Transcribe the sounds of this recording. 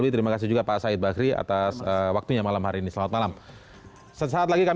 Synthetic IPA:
bit̪əɾimakas̬ɪhd͡ʒuɡapaʔsaɪt̪̚baakɾia̰t̪asəwak̚t̪uɲamalamhaɾiːnisəlawat̪̚malam | səsaːt̪̬laɡika

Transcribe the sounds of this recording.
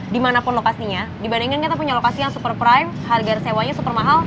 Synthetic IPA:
dimanapʊnlokasiɲadibandiŋkankit̪ap̬uɲalokasijaŋsupərpɾajmharɡarsewaɲasupərmaɦal

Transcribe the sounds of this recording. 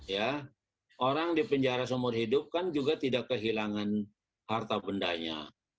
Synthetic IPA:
ja | ʔoɾaŋdipəɲd͡ʒaɾas̬əmʊrhidʊp̚kand͡ʒuɡat̪idakːəɦilaŋan | hart̪abəndaɲa̰

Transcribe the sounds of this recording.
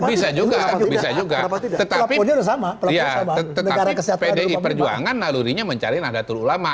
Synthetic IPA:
bisad͡ʒuɡabisad͡ʒuɡaət̪alapiuɲadasamapəlajasamaətnaɡaɾakəsihatpaedeipərd͡ʒua̰ŋanːaluɾiɲaməɲt͡ʃaɾinahdat̪ululama

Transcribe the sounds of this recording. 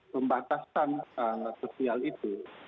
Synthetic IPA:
pəmbat̪asanəasosialit̪u

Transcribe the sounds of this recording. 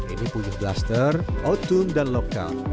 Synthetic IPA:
ʔḭnipujɪblast̪ərʔot̪ʊmdanloka̰l

